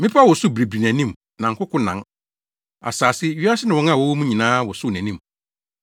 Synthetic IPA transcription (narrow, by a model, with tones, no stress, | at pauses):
mɪ̃˦pʰa˦wɔ˨sʊ˦˨bɾi˨bɾi˨næ̃˨nĩ˦m | nã˨ŋ̩˨kʰʊ˦kʰʊ̃˦nã˨ŋ | a̰˨saː˨sɪ˦ɥi˦a˦sɪ˦nɪ̃˨wɔ̃˨˦ŋ˦ã˦˨wɔ˦wmũ˦ɲĩ˨nãː˦wɔ˨sʊ˦˨næ̃˨nĩ˦˨m